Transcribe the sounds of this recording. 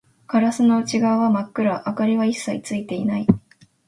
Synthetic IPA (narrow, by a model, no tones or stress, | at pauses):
kaɾasɨno̞ɯ̟t͡ɕiɡaːβamakːɯ̟ɾaʔːkaɾʲiβaisːait͡sɨit̪e̞inai